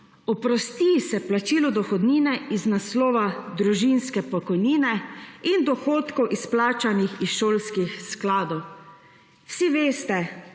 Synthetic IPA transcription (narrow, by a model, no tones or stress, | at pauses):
ɔpɾɔst̪isɛplat͡ʃiːlɔd̪ɔxɔd̪niːnɛiznaslɔːʋad̪ɾuʒinskɛpɔkɔjniːnɛind̪ɔxoːt̪kɔwʔisplaːt͡ʃanixisʃoːlskixsklaːd̪ɔw | wsiʋeːst̪ɛ